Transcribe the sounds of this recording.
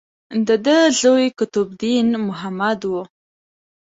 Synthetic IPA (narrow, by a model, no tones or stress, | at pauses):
d̪əd̪əɮojkʊt̪ʊbd̪inmʊɦamad̪wu